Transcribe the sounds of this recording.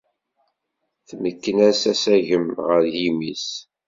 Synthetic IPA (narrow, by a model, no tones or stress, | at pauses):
θməkːənæsæsæʝəmʁəɾjimis